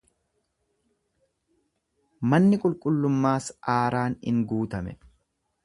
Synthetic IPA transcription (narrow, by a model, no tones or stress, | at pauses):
mɐnːɪkʼʊlkʼʊlːʊmːaːsaːɾaːnɪ̰ŋɡuːt̪ɐmɛ̰